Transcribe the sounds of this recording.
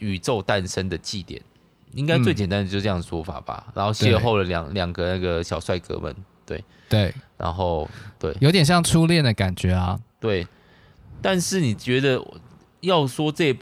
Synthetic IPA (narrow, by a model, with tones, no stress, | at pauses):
y˨˩ʈ͡ʂo˥˧ʊt̪a˥˨nʂə˦nd̪ə˨t͡ɕi˥˨t̪jɛ̰˨˩˦n | i˥ŋka˥ɪt͡swe˥˩ɪt͡ɕjna˥nd̪ə˨t͡ɕo˥˧˩ʈ͡ʂɤ˥jɑ˥˨˩d̪ə˩ʂwɔ˥fa̰˨˩b̥a̰˨˩na̰˧˦nxo˥˧ʊɕɛ˥˧xo˥ʊlə˩ljɑ̰˨˩ŋljɑ˨˩ŋɡə˨na˥˩ɡə˩ɕjɑ˨˩ʊswa˥˩ɪkɤ̰˧˥mə̰˨˦nt̪wḛ˥˩ɪ | we˥˩ɪɻa̰˧˥nxo˥˧ʊt̪we˥˩ɪjo˧˥ʊt̪jɛ˨˩nɕjɑ˥˩ŋʈ͡ʂʰu˦ljɛ˥˨nd̪ə˩ka˨˩nt͡ɕɥɛ˨˥a˧˦t̪we˥˩ɪ | t̪a˥˧nʂɻ̩˥˨ni˨˩t͡ɕɥɛ˨˧˥d̪ə˨ | jɑ˥˨˩ʊswɔ˥t͡sɤ˥˧˦